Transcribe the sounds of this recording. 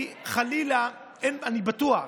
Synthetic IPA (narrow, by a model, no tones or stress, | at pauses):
χalila | enanibat̪ua